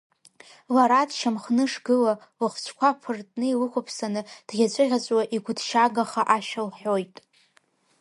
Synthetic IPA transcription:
laɾadʃamχnɨʂɡɨla | lɨχʷt͡ʃʷʰkʷʰapʰɨrtʼnɨilɨkʷʰapʰsanɨd̥ɡʲat͡ɕʷʼɨʁʲat͡sʷʼwaʔiɡʷʊdʰʃaɡaχaʔaʃalħʷo̞jtʼ

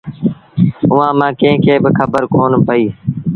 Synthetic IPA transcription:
ʊʋãːmãːkẽɦɪ̃kʰeːbɪkʰəbəɾkoːnpəiː

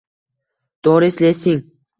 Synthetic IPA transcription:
d̪̥oɾislesiŋ

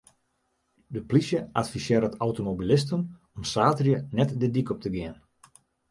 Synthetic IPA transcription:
dəplisjəʔatfisjɪəɾətʰawtomobilɪstən | ɔmsaːtrjənɛtdədikɔp̚tʰəɡɪən

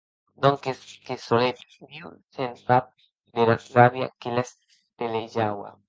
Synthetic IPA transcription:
noŋkeskesolet̪miusensap̚ | d̪eɾaɾaβja̰kelas | t̪eleʒawa̰

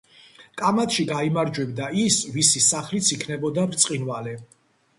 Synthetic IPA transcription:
kʼamat̪ʰʼʃiɡaimaɾd͡ʒwɛbd̪aisvisisaχlit̪sʰikʰnɛbɔd̪avɾt̪sʼqʼinvalɛ

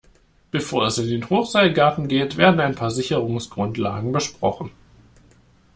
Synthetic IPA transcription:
b̥əfoːɐɛsɪndeːnhoːχz̥aɪlɡaɐtn̩ɡeːtv̥eːɐdn̩aɪnpʰaːɐzɪçəʁʊŋsɡ̥ʁʊntla̰ːɡŋ̩bəʃpʁ̥ɔχn̩

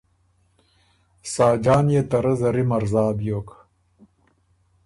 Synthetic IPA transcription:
saːd͡ʑaːnjet̪ɐɾɐzɐɾimɐɾzaːbjoːk

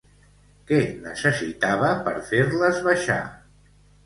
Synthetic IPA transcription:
kɛnə̰səsit̪aβəpəɾfeɾləzβaʃa̰

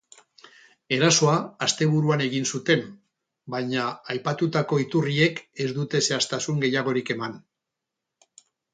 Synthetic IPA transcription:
e̞ɾaso̞aːst̪e̞βuɾuane̞ɣinsut̪e̞m | bajɲaːjpat̪ut̪ako̞it̪urie̞ke̞zd̪ut̪e̞se̞ast̪asuŋɡe̞jaɣ̞o̞ɾike̞man

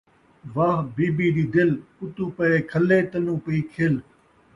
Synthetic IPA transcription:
ʋaːɦbiːbiːɗ̪iːd̪ɪlʊt̪uːpəeːkʰəleːt̪ənũːpəiːkʰel

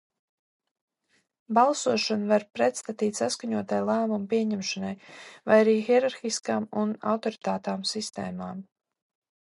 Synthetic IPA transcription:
balˠsuɔʃanvaɾpɾɛt̪st̪at̪iːt̪ʲsaskaɲuɔt̪ajlˠæːmumpiɛɲɛmʃanajvajaɾiːxiɛɾaɾxiskaːmuna̰wt̪ɔɾit̪aːt̪aːmsist̪ɛ̰ːmaːm

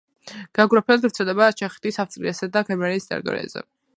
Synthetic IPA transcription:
ɡ̥aɡɾapʰɛlt̪vɾt̪sʰɛld̪ɛbat͡ʃʰɛχɛ̥t̪ʰisaft̪sʼɾiasad̪akʰɛɾmaɾiːst̪ʼɛ̰ɾit̪ʼɔ̰ɾḭa̰zɛ̰

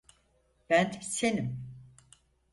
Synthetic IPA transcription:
b̥ænsenim

